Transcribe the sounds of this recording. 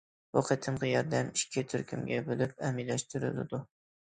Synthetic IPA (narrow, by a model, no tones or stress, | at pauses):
woqʰɨt̪ʰɪmʁɑjɒɾd̪amɪʃkʲʰɪt̪ʰʊɾkʰʲɪmɡʲabolɪp̚amilaʃt̪ʰʊɾɪ̰lɪd̪ʊ